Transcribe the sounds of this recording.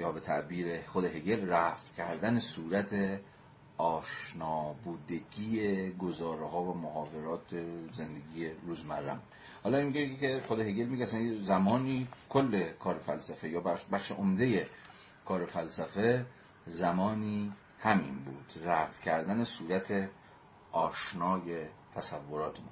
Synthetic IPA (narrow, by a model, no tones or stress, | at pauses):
jɒːbe̞t̪ʰæʔbiːɾeχod̪eɦeɡe̞lræft̪cʰæɾd̪ænesuːɾæt̪ʰe | ɒːʃnɒːbuːd̪e̞ɡiːeɡo̞zɒːɾehɒːvæmohɒːve̞ɾɒːt̪ʰeze̞nd̪e̞ɡiːje̞ɾuːzmæɾːæ̰m | hɒːlɒːimiɡeieexod̪eheɡelmiɡeæsænezæmɒːniːkʰolːe̞kʰɒːɾefælsæfe̞jɒːbæbæχʃḛʔomd̪e̞je̞ | kʰɒːɾe̞fælsæfe | zæmɒːniː | hæmḭnbuːd̪̥ræfcʰæɾd̪æne̞suːɾæt̪ʰe | ʔɒːʃnɒːjet̪ʰæsævːo̞ɾɒːt̪ʰemu